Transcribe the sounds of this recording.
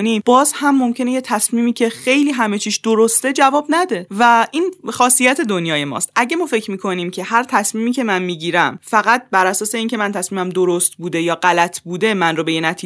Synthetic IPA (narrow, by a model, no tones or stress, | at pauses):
nimb̥ɒːzhæmːo̞mcʰe̞nejet̪ʰæsmiːmiːcʰe̞xe̞jliːɦæme̞t͡ʃʰiːʃd̪oɾost̪e̞d͡ʒævɒːbnæd̪e̞væʔiːnxɒːsijæt̪ʰe̞d̪onjɒːje̞mɒ̰ːst̪æɟe̞mɒːfe̞cʰmiːkʰo̞niːmcʰe̞hæɾt̪ʰæsmiːmiːcʰe̞mænmiːɟiːɾæmfæɣæt̪̚bæɾʔæsɒːse̞iːncʰe̞mænt̪ʰæsmiːmæmd̪oɾost̪̚buːd̪e̞jɒːɢælæt̪ʰbuːd̪e̞mænrobe̞jenæt̪ʰiː